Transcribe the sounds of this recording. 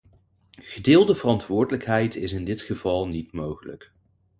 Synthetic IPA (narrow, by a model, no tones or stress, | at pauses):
χədɪːlˠdəvərɑntʋʊːɹdələkɦɛjtɪsɪndɪtχəvɑlˠnitmowχələ̰k